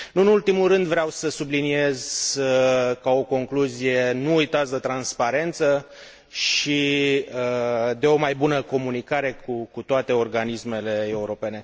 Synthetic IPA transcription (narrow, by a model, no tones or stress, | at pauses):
nuɨnult̪imulrɨnd̪vɾeawsəsublinie̞z | kao̞ko̞ŋkluzije̞nuujt̪at̪sd̪ət̪ɾanspaɾe̞nt̪sə | ʃiəd̪e̞o̞majbunəko̞munikaɾe̞kukut̪oat̪e̞o̞rɡanisme̞le̞euɾo̞pe̞ne̞